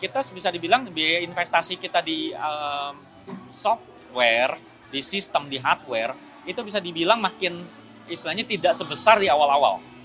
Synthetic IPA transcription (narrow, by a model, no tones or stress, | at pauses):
kit̪asbisadibilaŋbiinfest̪asikit̪adiəm | sɔft̪̚wɛr | disist̪əmdiɦart̪̚wɛr | it̪ubis̬adibilaŋmakɪn | ist̪ilahɲat̪idaʔsəbəsardiawalawa̰l